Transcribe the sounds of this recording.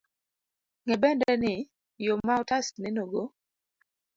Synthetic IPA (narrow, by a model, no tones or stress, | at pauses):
ŋɛbɛndɛnɪ | jomːaɔtastnɛnoɡo